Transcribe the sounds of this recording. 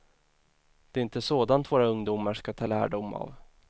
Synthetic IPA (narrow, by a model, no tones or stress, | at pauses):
d̪̥ɛːɾɪnt̪əsoːd̪ant̪voːɾaɵŋd̪umaʂkat̪ʰɑːlæːɖʊmːa̰v